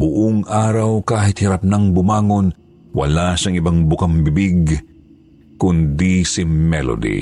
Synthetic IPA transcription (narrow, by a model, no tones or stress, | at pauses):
bʊʔoŋʔaːɾɐwkaːɦɪt̪̚hɪɾɐp̚naŋbʊmaːŋo̞n | wɐ̰laʃaŋɪbaŋbʊkaŋbɪbiɡ | kʊnd̪isɪmɛlo̰d̪ḭ